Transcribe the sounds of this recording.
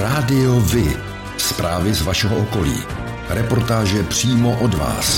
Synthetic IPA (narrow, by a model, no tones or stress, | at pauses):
ɾaːdɪovɪ | spɾaːvɪzvaʃɛɦoʔoko̞lḭː | ɾɛpo̞ɾt̪aːʒɛpr̝̥iːmoʔodva̰ːs